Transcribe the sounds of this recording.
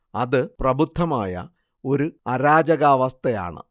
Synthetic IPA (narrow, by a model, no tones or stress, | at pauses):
ɐðɨprɐbʱut̪ːɐmaːjɐ̰ | o̞ɾuɐɾaːd͡ʑɐɣaːʋɐst̪ɐja̰ːɳɨ̰